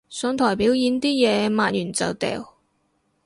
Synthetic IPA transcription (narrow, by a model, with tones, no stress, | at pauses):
sœː˨˥ŋt̪ʰɔː˨˩jpiː˨˥wjiː˨˥nt̪iː˥jɛː˨˧maː˧˨n̚jyː˨˩nt͡sɐ̰˨˩wt̪ɛ̰ː˨w